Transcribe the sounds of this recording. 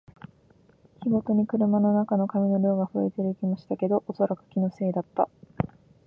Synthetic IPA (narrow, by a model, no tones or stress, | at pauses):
kʲiɡo̞t̪o̞ɲ̟ikɯ̟ɾɯ̟mano̞nakano̞kamʲino̞ɾʲo̞ːɡaɸɯ̟et̪eɾɯikʲimaɕi̥t̪ake̞d̪o̞ʔoso̞ɾakɯ̟̥kʲino̞se̞ːd̪at̪ːa̰